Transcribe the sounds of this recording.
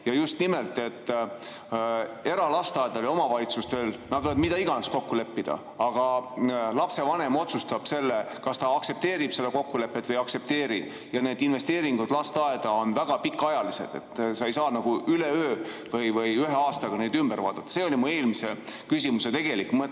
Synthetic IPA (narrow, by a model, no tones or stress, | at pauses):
jɑjust̪nimelt̪ˑe̞t̪ː | e̞ɾɑlɑst̪ɑed̪ɑlio̞mɑvɑlʲit̪sust̪e̞lnɑd̪vod̪mid̪ɑiɡ̥ɑnesko̞kːule̞pːid̪̥ɑ̰ | ɑɡ̥ɑlɑpse̞vɑne̞mo̞t̪sust̪ɑb̥se̞lːe | kɑst̪ɑɑkse̞p̚t̪e̞ːɾib̥se̞d̪̥ɑko̞kːule̞pːet̪ːvɤjɑkse̞p̚t̪e̞ːɾi | jɑne̞ːd̪inve̞st̪e̞ːɾiŋɡ̥ud̪̥lɑst̪ɑe̞d̪̥ɑo̞nvæɡ̥ɑpikːˑɑjɑlise̞̰d̪̥e̞̰t̪ːsɑe̞jsɑːnɑɡ̥uyleøː | vɤjvɤjyɦeɑːst̪ɑɡ̥ɑne̞d̪ymb̥eɾvɑ̰ːd̪̥ɑt̪ːɑse̞ːo̞lʲimue̞ːlmisekys̬imuse̞t̪e̞ɡ̥e̞likːˑmɤ